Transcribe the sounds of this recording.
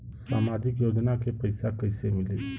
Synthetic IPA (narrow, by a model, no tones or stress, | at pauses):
saːmaːd͡ʒɪkjoːd͡ʒnakepɐɪsakɐɪsemɪleː